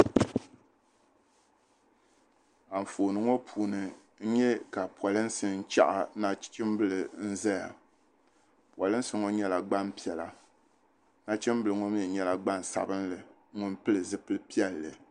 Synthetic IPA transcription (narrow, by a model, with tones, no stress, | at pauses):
a˨ɱ̩˨foː˨nɨ˨ŋo˦pʰuː˨nɨ˨ | ɲ̩˦ɲɛ˦ka˨pɔ˨lɨ˦n˦sɨ˨n̩˦t͡ʃa̰˦ʔa˨na˦t͡ʃɪ˦m˦bɨ˦lɨ˨n̩˦za˦ja̰˨ | pwɔ˨lɨ˦n̩˦sɨ˦ŋo˦ɲɛ˦la˨ɡ͡ba˦npi˦ɛ˨la˨ | na˦t͡ʃɪ˦mbɨ˨lɨ˨ŋʊ˦m˦ɛ˨ɲɛ˦la˨ɡ͡ba˦n˨sa̰˨bɨ˦nlɨ˨ | ŋʊ˦npɨ˦lɨ˨zɨ˦pɨ˦lɨ˦pi˦ɛ˦lːɨ̰˨